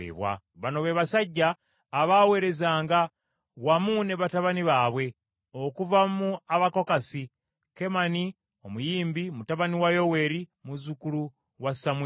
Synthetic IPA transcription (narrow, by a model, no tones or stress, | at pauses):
ḛβwa̰ | βano̞βeβasaɟːaː | βaːwe̞ːɾe̞zaːŋɡa | wamuːne̞βataβaniβaːβwe̞ | okuvamuaβako̞kasi | ke̞mani | o̞mujiːmbimutaβaniwajo̞we̞ːɾimuzukulu | wasamw